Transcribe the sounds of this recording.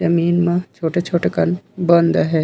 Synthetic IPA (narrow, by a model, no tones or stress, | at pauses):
d͡ʒɐmiːnmɐ̃t͡ʃʰoːʈet͡ʃʰoːʈekɐnbɐnd̪ɦɛː